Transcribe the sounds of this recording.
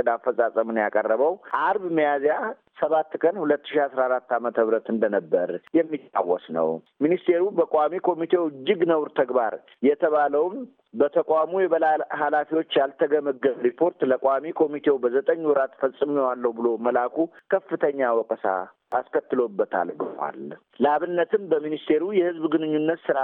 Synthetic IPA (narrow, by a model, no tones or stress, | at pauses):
d̪afːəsʼasʼəmɨnjakʼərːəβəwʔaɾbɨməjazeja | səβat̪ːkʰənhulət̪ːɨʃiasɾaɾat̪ːamət̪ʰəβɾət̪ɨnd̪ənəbːəɾjɛmːit̪ʼːa̰wːɔsnə̰w | minist̪ʰe̞ɾubəkʼamikʰo̞mit̪ʰe̞wɨd͡ʒːɪɡnəwɾt̪ʰəɡbaɾ | jɛt̪ʰəβaləwm | bət̪ʰəkʷʼamujɛβəlahalafiwo̞t͡ʃːjalt̪ʰəɡəməɡəβɾipʰo̞ɾt̪ləkʼʷamikʰo̞mit̪ʰe̞wbəzət̪ʼəɲːwɔɾat̪fəsʼɨmiwalːəhubɨlo̞məlakʰukʰəfːɨt̪ʰəɲːawɔkʼəsa̰ | askʰət̪ːɨlobːət̪ʰa̰lɡɨnwa̰l | ləʔaβɨnːət̪ʰɨmbəminist̪ʰe̞ɾujɛhɨzbɡɨnɨɲːunːət̪sɨɾa